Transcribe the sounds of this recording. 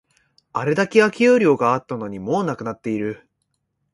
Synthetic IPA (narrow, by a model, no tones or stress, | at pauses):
aɾe̞d̪akʲiβakʲijɯːɾʲo̞ːɡaːt̪ːano̞ɲ̟imo̞ːnakɯ̟nat̪ːe̞iɾɯ̟